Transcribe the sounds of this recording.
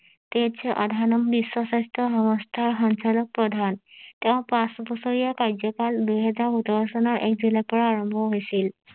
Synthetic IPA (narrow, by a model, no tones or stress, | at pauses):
t̪etsʰɛʔadʱanɔmbiswɔsastɔɦɔmɔstʰaɹxɔnt͡ʃalɔk̚pɹɔd̪ʱanteʊ̃pãsbɔsɔɹijakaɹzɔkaldujɦɛzaɹutɔɹɔsɔnɔɹʔɛk̚zilapɔɹaːɹɔmbʱɔɦojsil